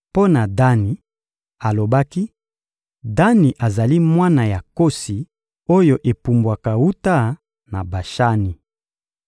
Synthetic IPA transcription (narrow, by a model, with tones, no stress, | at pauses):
po˦na˨da˦ni˨ | a˨lo˨ba˦ki˦ | da˦ni˨ʔa˨za˨li˦mwa˦na˨ja˨ko˦si˨ | o˦jo˨ʔe˨pu˨mbwa˨ka˨wu˦ta˦ | na˨ba˨ʃa˦ni˨